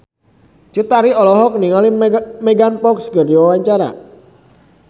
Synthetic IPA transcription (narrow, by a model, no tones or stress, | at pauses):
t͡ʃut̪aɾiɔlɔɦɔkəniŋalimeɡanpɔksɡəriwawaɲt͡ʃaɾa̰